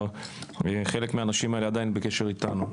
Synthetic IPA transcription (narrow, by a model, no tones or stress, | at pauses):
eχe̞le̞kmeanaʃimaelead̪ajinbeke̞ʃe̞ʁit̪anu